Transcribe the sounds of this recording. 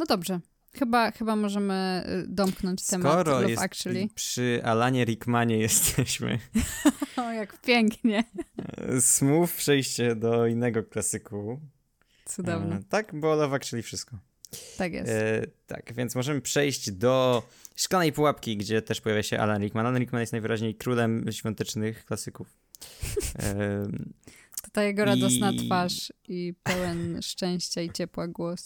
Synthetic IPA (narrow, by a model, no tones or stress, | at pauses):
nɔd̪ɔbʐɛ | xɘbaxɘbamɔʐɛmɘ̰d̪ɔmknɔ̃ɲt͡ɕt̪ɛmɔɾɔɔjɛsa̰kt͡ʂɨlʲipʂɘʔa̰laɲɛɾikmaɲɛjɛst̪ʰɛɕmɘ̰ | jakpʲjɛŋkɲɛ | smufpʂɛjɕt͡ɕɛd̪ɔinːɛɡɔklasɘku | t̪sud̪ɔvnɛt̪akbɔlɔvakt͡ʂɨlʲifʂɘst̪̚kɔ | t̪akjɛ̰stt̪a̰kvʲjɛnt̪smɔʐɛmɘpʂɛjɕd͡ʑd̪ɔ | ʂklanɛjpuwapkʲiɡd͡ʑɛt̪ɛʂpɔjavʲjaɕɛʔa̰lɛnɾʲikmananɾikmanjɛst̪ajvɘɾaʑɲejkɾulɛmɕfʲjɔ̃nt̪ɛt͡ʂnɘxklasɘkuf | t̪ɔt̪ajɛɡɔɾad̪ɔsnafaʂipɛwɛnʂt͡ʂɛ̃w̃ɕt͡ɕait͡ɕɛpwaɡwɔs